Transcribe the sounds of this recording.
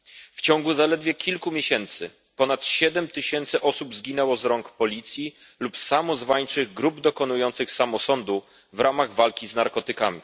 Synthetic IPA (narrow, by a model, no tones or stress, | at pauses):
ft͡ɕɔŋɡuzalɛd̪vʲjɛkʲilkumʲjeɕɛnt̪sɘ | pɔnat̪ɕɛd̪ɛmt̪ɘɕɛnt̪sɘʔɔsubzɡʲinɛwɔzɾɔŋkpɔlʲit̪sʲji | lupsamɔzvaɲt͡ʂɘɣɡɾubd̪ɔkɔnujɔnt̪sɘxsamɔsɔnd̪u | vɾamaɣvalkʲiznaɾkɔt̪ɘkamʲi